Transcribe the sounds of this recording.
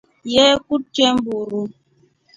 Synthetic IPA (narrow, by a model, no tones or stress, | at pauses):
jɛkut̚t͡ʃɛmbuɾu